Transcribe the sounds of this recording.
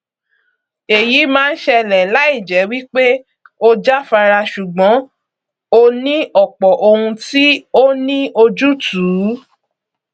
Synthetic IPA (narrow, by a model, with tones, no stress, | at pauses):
e˨ji˨˦mãː˦˧n̩˦ʃɛ˧lɛ˨la˨˦i˦˨d͡ʒɛ˨˦wi˦k͡pe˦ | o˧d͡ʒa˦fa˧ɾa˧ʃu˨ɡ͡bɔ̃˨˦ | o˧nĩ˦ʔɔ˦˨k͡pɔ˨ʔo˧hũ˧ti˦o˦nĩ˦ʔo˧d͡ʒu˦tuː˨˦